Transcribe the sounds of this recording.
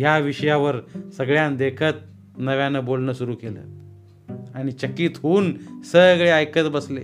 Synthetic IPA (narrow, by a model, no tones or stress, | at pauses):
jaʋiɕəjaʋəɾsəɡɭjãnd̪ekʰət̪̚ | nəʋjanəbolnəsuɾuːkelə̰ː | aɽ̃it͡ɕəkːiːt̪ɦuːnsəɡɭeəjkət̪bəslḛ